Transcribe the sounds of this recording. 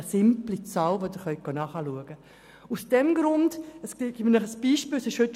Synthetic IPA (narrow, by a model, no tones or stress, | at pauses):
sɪmplit͡sɑlʋodɪɾχœʏk̚ɡ̥onɑːχɑluəɡ̥ə | usd̥ɛmɡɾʊndəsɡiɡimnɔχəsb̥iːʃpiːlsɪʃhøt